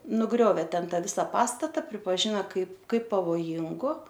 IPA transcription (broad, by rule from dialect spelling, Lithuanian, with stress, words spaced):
nʊˈɡrʲoːʋʲeː ˈtʲɛn ˈtɑː ˈʋʲɪsɐ ˈpɑːstɐtɐ pʲrʲɪpɐˈʒʲɪnɐ ˈkɐɪp ˈkɐɪp pɐʋoːˈjɪŋɡʊ